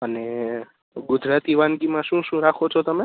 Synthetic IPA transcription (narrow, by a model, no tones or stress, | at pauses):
əne | ɡʊd͡ʒɾat̪iʋanɡimãʃũʃũɾakʰot͡ʃʰot̪əme